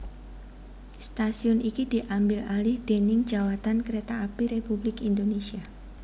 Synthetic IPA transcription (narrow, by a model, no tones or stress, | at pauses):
st̪asiʊnikid̥iʔambɪlalɪhd̥enɪŋd͡ʒawat̪ankəɾet̪aːpiɾepublɪkindonesia